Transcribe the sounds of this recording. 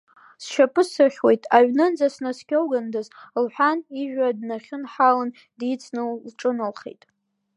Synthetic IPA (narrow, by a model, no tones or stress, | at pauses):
sʃapʰʼɨsɨrχʲwe̞jtʼaɥnɨnd͡zasnaskʲʰʼowɡandazlħʷᶣaniʒᶣadnaχʲɪnħalɨn | dit͡sʰnɨllʈ͡ʂʼɨnɨlχḛjtʼ